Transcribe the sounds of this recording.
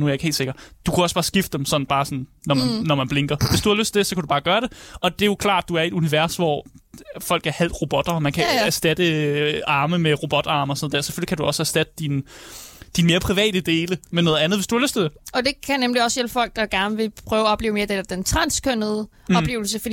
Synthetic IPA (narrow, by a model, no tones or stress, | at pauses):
nuæɐjɑeɡ̥he̝ːldse̝ɡɐd̥d̥ukʰæɒ̽səb̥ɑ̈ːsɡ̥ifd̥ə̥emsɒ̽d̥n̩b̥ɑ̈ːsɒ̽n̩ːɒmænːɒmænb̥leŋɡ̥ɐʋe̝sd̥uhɑløsdt͡sʰe̝d̥e̝sɒ̽kʰædub̥ɑ̈ːɡ̥ɶːɐɾ̥e̝ɒ̽d̥e̝jo̝kʰlɑ̰̈ːd̥̚d̥uæɐe̝d̥uniʋæɐsʋɒ | fɒ̽l̰ɡ̥æɐhæl̰d̥ʁo̝b̥ɔ̽d̥ɐmænkʰææsd̥æd̥əɑ̈ːməmeʁo̝b̥ɒ̽d̥ɑ̈ːməsɔnð̩ˠdæɐse̥føl̰ikʰæd̥uɒ̽səæsd̥æd̥əd̥in | d̥inme̝ːɐpʰʁiʋɛ̰ːd̥əd̥e̝ːləmenɔ̽ːð̩ˠænð̩ˠʋe̝sd̥uhɑløsdt͡sʰed̥e̝ɒ̽d̥e̝kʰænemliɒ̽sjel̰b̥fɒ̽l̰ɡ̥̚d̥ɑɡ̥æɐnəʋe̝pʰʁœʊɒ̽b̥le̝ːʊmeɐd̥ed̥ent͡sʰʁɑ̈nskʰønəð̞ˠə | ɒ̽ble̝̰ːʊl̩səfd̥i